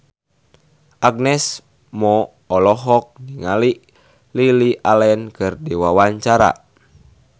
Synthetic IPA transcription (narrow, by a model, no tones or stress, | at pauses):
ʔaɡ̚nɛs | mɔ | ɔlɔɦɔk̚niŋaliʔ | liliʔalɛnkɨrdiwawaɲt͡ʃaɾa̰